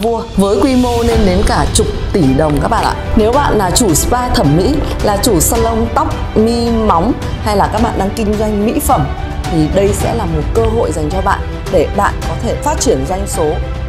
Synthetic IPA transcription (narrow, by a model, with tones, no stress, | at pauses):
vu˧əvəː˨˦jkwi˧mo˧ne˧nɗe˨˦nkaː˧˩t͡ɕʊ˨˩k͡p̚t̪i˧˩ɗə˨˩wŋ͡mkaː˦˥k̚ɓa̰ː˧˨ʔa̰ː˧˩ne˨˦wɓa̰ː˧˨nlaː˨˩t͡ɕu˧˩spaː˧t̪ʰə˧˩mːḭ˧˥laː˨˩t͡ɕu˧˩saː˧lə˧wŋ͡mt̪a˦˥wk͡p̚mi˧ma˨˦wŋ͡m | ha˧jlaː˨˩kaː˦˥k̚ɓa̰ː˧˨nɗaː˧ŋkï˧ŋ̟zwa˧jŋ̟mḭ˧˥fə˧˩m | t̪ʰi˨˩ɗə˧jsɛ̰˧˥laː˨˩mo˨˩t̚kəː˧ɦo̰˧˨jza˨˩jŋ̟t͡ɕɔ˧ɓa̰ː˧˨n | ɗe˧˩ɗa̰ː˧˨nkɔ˨˦t̪ʰe˧˩faː˦˥t̚t͡ɕi˧˩ənza˧jŋ̟so˨˦